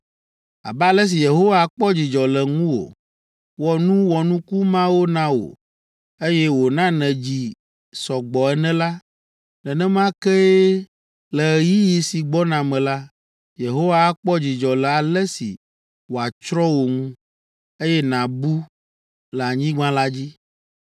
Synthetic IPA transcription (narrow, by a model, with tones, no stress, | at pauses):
a̰˨ba˨lɛ˦s̬i˨je˨ɦo˦wa˦˨˦k͡pɔ˦d͡ʑi˨d͡ʒɔ˨lɛ˨ŋũ˦wo̰˨ | wɔ˨nũ˦wɔ˨nũ˦ku˦mã˦wo˦nã˦wo̰˨ | e˦jɛ˦wo˨nã˦nɛ̃˨d͡ʑi˨ | sɔ˨ɡ͡bɔ˨ɛ˦nɛ̃˦la˦ | lɛ˨nɛ̃˦mã˦kɛ˦ | lɛ˨ji˦ji˨si˨ɡ͡bɔ˦nã˨mɛ̃˨la˦ | je˨ɦo˦wa˦k͡pɔ˦d͡ʑi˨d͡ʒɔ˨lɛ˨a˨lɛ˦sḭ˨ | wo˨a˨t͡ʃɾɔ˦wo˨ŋũ˦ | e˦jɛ˦nã˨bu˦ | lɛ˨a˨ɲĩ˦ɡ͡bã˦la˦d͡ʑi˦